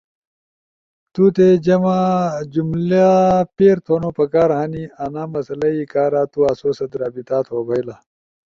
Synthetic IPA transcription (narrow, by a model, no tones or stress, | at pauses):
t̪ut̪ed͡ʑɐmad͡ʑumlapeːɾt̪ʰoːnoːpɐkaːɾɦanianaːmɐsɐlɐikaːɾaːt̪uaːsoːsɐd̪ɾaːbit̪aːt̪ʰoːbʱɐjla